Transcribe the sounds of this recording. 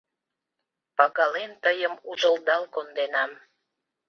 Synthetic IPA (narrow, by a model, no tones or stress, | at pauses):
pɑkɑlent̪əjəmuʒəld̪ɑlkond̪enɑm